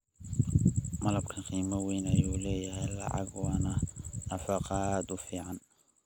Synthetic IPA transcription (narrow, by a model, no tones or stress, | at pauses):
mɐlɐbkʰɐnqiːmɐwɛjnɐjuːlɛːjɐɦɛjlɑ̰ʕɑ̰ɡwɑːnɐnɐfɑqɑaːd̪ʊfiːʕɑn